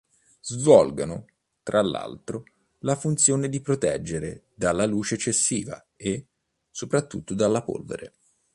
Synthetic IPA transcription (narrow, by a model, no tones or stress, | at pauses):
zvɔlɡanʊ | t̪ɾalːa̰lt̪ɾo | lafunt̪sjoːned̪ipɾot̪ɛd͡ʒːeɾe | d̪alːaluːt͡ʃeɛt͡ʃːesːiːva̰ | e | sopɾat̪ːut̪ːod̪alːapo̰lvḛɾḛ